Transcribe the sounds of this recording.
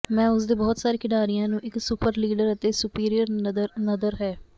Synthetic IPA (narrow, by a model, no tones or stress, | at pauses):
mɛ̃ːʊsd̪eːbɔːt̪saːɾeːkɪɖaːɾijãːnũːʔɪksʊpəɾliːɖəɾət̪eːsʊpiːɾijəɾnəd̪əɾɦɛː